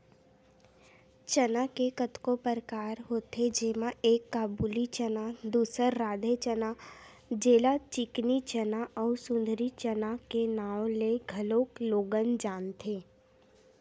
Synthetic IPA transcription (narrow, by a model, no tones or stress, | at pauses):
t͡ʃənakekət̪kopəɾkaːɾɦoːt̪ed͡ʒemãeːkːaːbuːlit͡ʃənad̪uːsəɾːaːd̪ʱet͡ʃəna | d͡ʒeːlat͡ʃɪknit͡ʃənaʔɔːɾsʊ̃nd̪ʱɾit͡ʃənakenaːwleɡʱəloːkloːɡənd͡ʒaːnt̪ʰeː